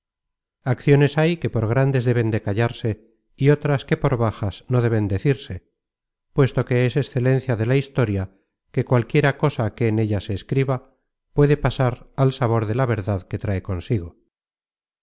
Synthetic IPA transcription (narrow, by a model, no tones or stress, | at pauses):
akθjo̞ne̞sajke̞po̞ɾɣ̞ɾand̪e̞zðe̞β̞e̞nd̪e̞kaʎaɾse̞ | io̞t̪ɾaske̞po̞ɾβaxasno̞ðe̞βe̞nd̪e̞θiɾse̞ | pwe̞st̪o̞ke̞ese̞sθe̞le̞n̟θjaðe̞laist̪o̞ɾja | ke̞kwalkje̞ɾako̞sake̞ːne̞ʎase̞ːskɾiβa | pwe̞ðe̞pasaɾalsaβo̞ɾðe̞laβe̞ɾðaðke̞t̪ɾaeko̞nsiɣo̞